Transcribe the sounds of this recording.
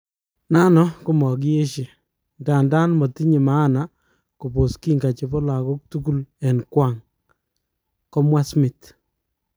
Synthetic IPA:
na˦nɔ˦ku˦mɔ˨k̬je˦ʃe˨ | nda˨nda˦nmɔ˨ti˦ɲi˨maː˦˨na˨ | ko˨po˨ski˦ŋɡa˨t͡ʃe˦pɔ˦la˨kɔ˦k̚tu˦ku˦lɛ˨nkwa˦ŋ | kɔ˦mwa˦smɪ˨t

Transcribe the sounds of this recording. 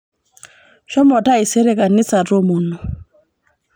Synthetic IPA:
ʃɔ˦mɔ˨ta˦i˨se˦ɾe˨ka˨ni˦sa˨ɾo˦mo˨no˨

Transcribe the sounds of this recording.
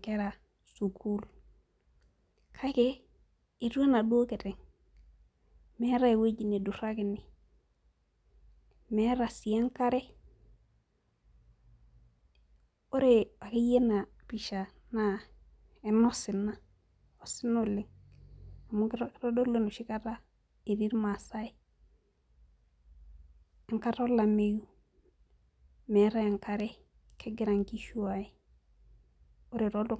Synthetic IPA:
ke˦ɾa˨ | su˨kʰu˦l | kʰa˦ke˦ | i˨tu˦e˦na˨du˦o˦ke˨te˨ŋ | me˦ɾa˦e˨we˦d͡ʒi˨ne˨du˨ɾa˦ki˨ni˨ | me˦ɾa˨si˨ja˦ŋka˦ɾe˦ | o˦ɾe˨wa˨ki˦je˦na˨pi˨ʃa˨ | na˦ | e˨no˦si˨na˦ | o˨si˦no˨li˨ŋ | a˨mu˦kɾo˦do˦le˦nu˨ʃi˦ka˦ɾa˦ | e˨ɾi˦ɾma˨sa˦i˦ | e˨ŋka˦ɾo˦la˨me˦ju˦ | me˨ɾa˦e˨ŋka˦ɾe˦ | kʰe˦ɡi˦ɾa˨ŋki˦ʃu˦wa˨i˦ | o˦ɾe˨ɾo˦do˦

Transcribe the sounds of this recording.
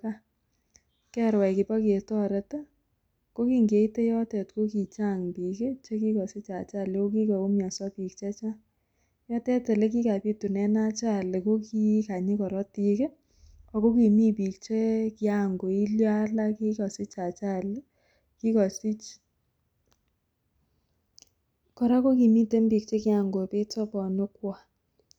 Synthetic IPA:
ka˦ | kɛ˦ɾwɛ˨kɪ˨pɔ˦ki˨e˨tɔ˦ɾɛ˧ta˦ | ko˦ki˨ŋɡe˨i˦te˦jɔ˦tɛ˨tko˦ki˨t͡ʃa˦˨ŋpi˨ke˦t͡ʃe˦ki˦kɔ˨sɪ˦t͡ʃa˨t͡ʃa˦˨le˨ko˦ki˦ka˨o˦mja˨sɔ˦pi˨k̚t͡ʃɛ˦t͡ʃa˦ | jɔ˦tɛ˦tɛ˨le˦k̬i˦ka˨pi˦tu˨nɛ˦na˦t͡ʃa˦le˨ko˦ki˦ka˨ɲi˦kɔ˨ɾɔ˦ti˨˧ke˦ | ɔ˨ko˦ki˨mi˦pi˨k̚t͡ʃe˦kɪ˦a˨ŋɡo˨i˦ljɔ˦a˦la˦ki˦kɔ˨sɪ˦t͡ʃa˨t͡ʃa˦l | ki˦kɔ˨si˦t͡ʃ | kɔ˨ɾa˦ko˦ki˨mi˦te˦mbi˨k̚t͡ʃe˦kɪ˦a˨ŋɡo˨pe˦tɔ˦pɔ˨nʊ˦kwa˨

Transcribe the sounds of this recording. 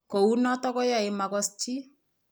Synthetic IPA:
ko˨u˦nɔ˦tɔ˦kɔ˦ja˨ɪ˨ma˨kɔ˦st͡ʃi˦

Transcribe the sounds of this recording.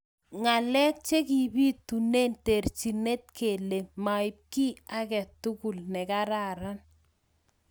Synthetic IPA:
ŋa˨lɛ˦k̚t͡ʃe˦ki˨bi˦t̪u˨ne˦nte˨rt͡ʃi˨ne˦t̪̚kʰe˨le˨ma˨ɪ˨p̚ki˦a˦kɛ˨tu˦ku˨lnɛ˨ka˦ɾa˦˨ɾa˦n

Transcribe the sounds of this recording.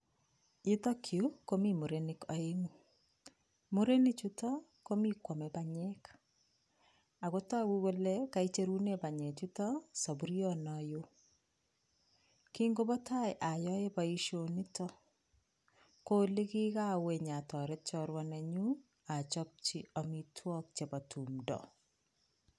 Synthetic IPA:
i˦tɔ˦kʰju˦ko˦mi˦mu˨ɾenɪkɔ˨e˦ŋu˦ | mu˦ɾe˦ni˦t͡ʃu˦tɔ˦ | ko˦mi˦kwɔ˨me˨ba˨ɲɛk | a˨ɣo˦ta˦ɡu˦wo˦lɛ˦ka˨i˦t͡ʃe˦ɾu˦ne˦ba˨ɲɛ˨t͡ʃu˦tɔ˦sa˨bu˦ɾjɔ˦nɔjo˦ | ki˦ŋɡo˦bɔ˦ta˦jʔa˨jɔ˦je˦ba˨i˦ʃo˨ni˦tɔ˦ | ko˦li˦ki˦ka˦we˨ɲa˨tɔ˨ɾɛ˦t̚t͡ʃɔ˦ɾwa˦ne˨ɲu˦ | a˨t͡ʃɔp̚t͡ʃi˦ɔ˨mitʰwɔ˦k̚t͡ʃe˨ba˨tʰu˨mdɔ̰˨

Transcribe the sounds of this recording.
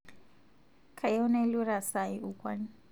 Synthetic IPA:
kʰa˨jɔ˦na˦lu˦ɾa˨sa˨iʔukʼwa˦n

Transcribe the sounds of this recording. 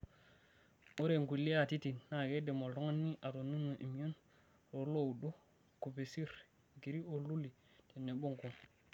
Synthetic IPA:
o˦ɾe˨ŋɡʷu˨lːi˦a˦˨ti˦ti˨nːa˨ɡe˦de˨mo˨lto˦ŋa˦nːi˦ʔa˨to˨ni˦nːo˨ʔḭ˨m˦o˦n | ɾo˨ɾlo˦˨u˨do˦ | ku˨pe˨si˦ɾ | ɡi˨ɾi˦o˨lu˦li˨ | te˨nːe˨ɓo˦ŋko˨

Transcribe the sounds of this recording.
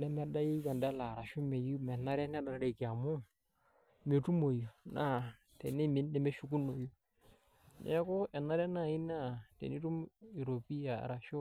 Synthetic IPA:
nɛ˦mɛ˦da˦ji˦ka˨nda˦la˨ɾa˨ʃu˦me˨ju˦mɛ˨na˦ɾɛ˦nɛ˦da˨ɾa˦ɾe˨ki˨a˨mu˦ | me˨tu˦mo˨ju˨na˦˨ | tḛ˨ni˦mi˦nːɛ˨me˦ʃu˦ku˦nːo˨ju˦ | nɛ̰˦ko˦ɛ˨nːa˦ɾɛ˦na˦˨i˦na˦tḛ˨ni˦tu˦mi˨ɾo˨pi˦a̰˨ɾa˨ʃu˦

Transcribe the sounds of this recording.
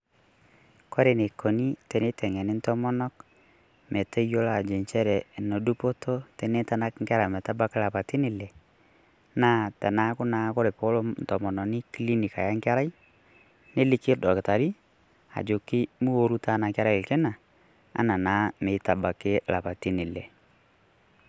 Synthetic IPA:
kɔ˦ɾe˨ne˨kːɔ˨ni˦tɛ˨ne˦tɛ˨ŋɛ˨nɪ˦n˦tɔ˦mɔ˦nɔ˦k | me˨te˦jo˦la˨d͡ʒe˨nt͡ʃɛ˦ɾɛ˨no˨du˦po˦to˦tɛ˨ne˦ta˦na˦kŋ̩˦ka˦ɾa˨mɛ˨ta˦ba˦kɪ˦la˨pa˨ti˦nɪ˨lɛ˨ | naː˦˨tɛ˨na˦kʊ˦naː˨˦ko˦ɾe˨po˦lo˦n˨tɔ˨mɔ˨nɔ˨nɪ˦ki˦li˦ni˨ka˨ja˦ŋka˦ɾa˦j | ne˦lɪ˦kɪ˦dɔ˨kɪ˨ta˨ɾi˦ | a̰˨d͡ʒo˨kːɪ˦mu˦o˦ɾu˦ta˨˦na˨ka˦ɾa˦ɪ˨lkɛ˦na˨ | a̰˦na˨naː˨˦me˨˦ta˨ba˨kɪ˦la˨pa˨ti˦nɪ˨lɛ˨

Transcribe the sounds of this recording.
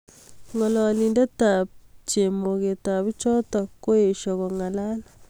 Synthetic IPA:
ŋɔ˨lɔ˨li˨ndɛ˦ta˨p̚t͡ʃe˨mo˨ke˨ta˨bi˦t͡ʃɔ˦tɔ˨ko˦e˨ʃɔ˨kɔ˨ŋa˨la˦la

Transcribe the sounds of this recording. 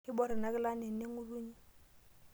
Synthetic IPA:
ɪ˦bɔ˦˨ɾɪ˨na˨kɪ˦la˦ne˨n̩˦ne˦ŋʊ˦ru˦ɲi˦

